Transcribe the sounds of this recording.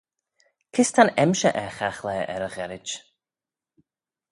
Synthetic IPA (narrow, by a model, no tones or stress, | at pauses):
kʰɪst̪ʰanɛmʃəʔɛxaxlɛːʔɛ̰ɾəɣɛɾɪ̥d͡ʒ